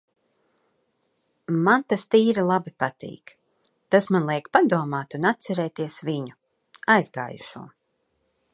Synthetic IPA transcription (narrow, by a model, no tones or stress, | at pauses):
mant̪ast̪iːɾilˠabipat̪ḭːk | t̪asmanlˠiɛkpad̪uɔmaːt̪unat̪t̪sɛɾɛːt̪iɛsviɲu | ajzɡa̰ːjṵʃṵɔ